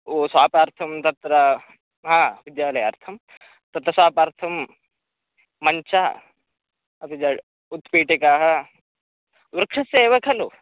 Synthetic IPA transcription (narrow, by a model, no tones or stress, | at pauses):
oːsaːpaːɾt̪ʰɐmt̪ɐt̪ɾɐ | ɦãːʋid̪jaːlɐjɐ̰ɾt̪ʰɐm | t̪ɐt̪ɾɐswaːpɐɾt̪ʰɐm | ɐnt͡ʃa | ɐt̪id͡ʒɐɽ | ut̪piːʈekaːɦɐ | ʋɾɐkʂɐsɐeːʋɐkʰɐlo